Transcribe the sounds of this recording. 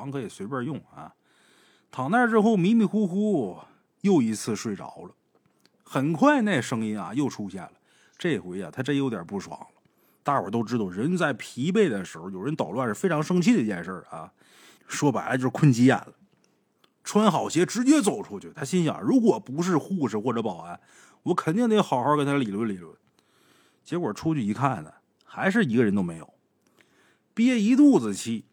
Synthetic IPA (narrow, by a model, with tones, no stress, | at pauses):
wɑ˧˥ŋkʰɤ˧˥i˨˩swe˧˥ɪbə˞˥˧jʊ˥˩ŋɐ̰˧˩ | t̪ʰɑ˨˩ŋna˥˧ʈ͡ʂɻ̩˥xo˥˩ʊmi˧˥mi˧˩xu˥xu˥ | jo˥˩ʊi˧˥t͡sʰɹ̩˥˩ʂwe˥˩ɪʈ͡ʂɑ̰˨˧˥ʊlə˧ | xə˨˩nkʰwa˥˩ɪne˥˩ɪʂɤ˥ŋi˥nɐ̰˨jo˥˩ʊʈ͡ʂʰu˥ɕjɛ̰˥˩nlə˩ | ʈ͡ʂe˥˩i˨˩xwe˧˥ɪja̰˨t̪ʰa˥ʈ͡ʂə˥˩jo˧˥ʊt̪jɑ̰˨˩pu˥˩ʂwɑ̰˨˩˦ŋlə˦ | t̪a˥˩wə̰˞˨˩t̪o˥ʊʈ͡ʂɻ̩˥d̪ɑ˧ʊɻə˧˥nt͡sa˥˩ɪpʰi˧˥p̬e˥˩ɪd̪ə˩ʂɻ̩˧˥xo˧˩jo˨˩ɻə˧˥nt̪ɑ˨˩lwa˥˧nʂɻ̩˥˩fe˥ɪʈ͡ʂʰɑ˧˥ŋʂɤ˥ŋt͡ɕʰi˥d̪ə˨i˧˥t͡ɕjɛ˥˧nʂə˞˥˩a̰˩ | ʂwɔ˥pa˨˩˥lt͡ɕo˥˧ʂkʰə˥˩nt͡ɕi˥ja̰˨˩nlə˦ | ʈ͡ʂʰwa˥nxɑ˨˩ʊɕjɛ˥ʈ͡ʂɻ̩˧˥t͡ɕjɛ˧˥t͡so˨˩ʊʈ͡ʂʰu˥t͡ɕʰy˥˩t̪ʰa˥ɕi˥nɕjɑ̰˨˩ŋɻu˧˥kwɔ˨˩pu˧˥ʂ̬ɻ̩˥˧xu˥˧ʂ̩˨˩xwɔ˥˩ʈ͡ʂə˧˥pɑ˨˩ʊa˧˥n | wɔ˧˥kʰə˨˩nt̪i˥ŋe˥˩˥xɑ˨˩ʊxɑ˥˧kə˥nt̪ʰa˥li˨˩lwə˥˩nli˨˩lwə̰˥˩n | t͡ɕjɛ˧˥kwɔ˨˩ʈ͡ʂʰu˥t͡ɕʰy˥˩i˧˥kʰa˥˩nd̪ə̰˩ | xa˧˥ɪʂ̬ɻ̩˥˩i˧˥ɡə˧ɻə˧˥nt̪o˥ʊme˧˥ɪjo̰˨˩˦ʊ | pi˥jɛ˥˩i˧˥t̪u˥˩d͡z̩˨˩t͡ɕʰi˥